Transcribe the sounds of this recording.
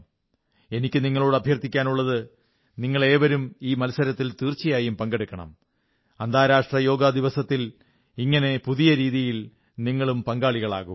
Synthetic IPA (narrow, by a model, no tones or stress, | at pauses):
e̞nikʲːɨniŋːɐɭoːɽɨɐbʱjɐrt̪ːikʲːaːnuɭːɐðɨ | niŋːɐɭe̞ːʋɐɾumiːmɐlsɐɾɐt̪ːilt̪iːrt͡ɕːijaːjumpɐŋɡe̞ɽukʲːɐɳɐ̰m | ɐnd̪ʱaːɾaːʂʈrɐjo̞ːɡɐd̪iʋɐsɐt̪ːil | iŋːɐne̞puðijɐɾiːðijil | niŋːɐɭumpɐŋɡaːɭiɣɐɭa̰ːɣṵm